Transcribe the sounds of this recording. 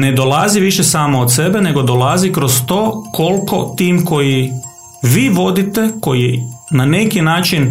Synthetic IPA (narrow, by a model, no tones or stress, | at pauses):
ne̞d̪olˠaziʋiʃesaːmoot̪se̞bene̞ɡo̞d̪olˠazikɾo̞st̪oːkʰo̞lˠko̞̰t̪iːmko̞ji | ʋiːʋo̞d̪it̪e̞ko̞jinane̞kinaːt͡ʃin